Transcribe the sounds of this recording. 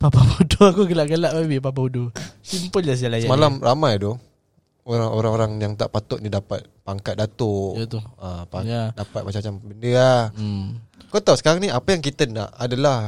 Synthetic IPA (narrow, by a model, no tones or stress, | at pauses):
papapaudoakukəlaʔɡəlaʔbawip̬ap̬audosimpəllasəd͡ʒalasjamalamramajd̪ɔ | oɾaŋoɾaŋoɾaŋjaŋt̪a̰ʔpat̪ʊʔ̚nidapat̪̚paŋkat̪̚dat̪ot̪uəaadapat̪̚mat͡ʃamat͡ʃambəndəa | kat̪ausə̥kaɾaŋniapajaŋk̬it̪əna̰ʔadalah